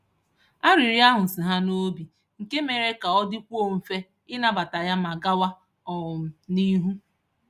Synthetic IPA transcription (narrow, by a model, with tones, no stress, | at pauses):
a˦ɾi˨ɾi˦a˦ɦʊ˨n̩˨si˨ɦa˦no˦bi˨ | ŋ̩˨ke˦me˨ɾe˦ka˨ɔ˦dɪ˦kʷo˦m̩˨fe˦ | ɪ˦na˦ba˨ta˨ja˦ma˨ɡa˦wa˦ | ɔ˨ʊ˨m̩˨ni˦ɦu˦